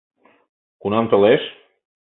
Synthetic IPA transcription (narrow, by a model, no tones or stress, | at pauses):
kunɑnt̪ə̆leʃ